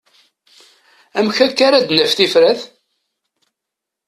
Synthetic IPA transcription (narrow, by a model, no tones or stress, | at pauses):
æmçækːaɾæd̪nəfθifɾæθ